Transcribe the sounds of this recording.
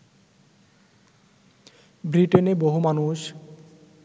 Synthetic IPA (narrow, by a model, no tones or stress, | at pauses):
bɾiʈeneboɦumanuʃ